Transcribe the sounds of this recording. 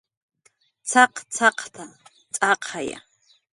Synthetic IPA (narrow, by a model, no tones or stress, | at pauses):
t͡sʰaqt͡sʰaqʰt̪ʰa | t͡sʼaqʰaja̰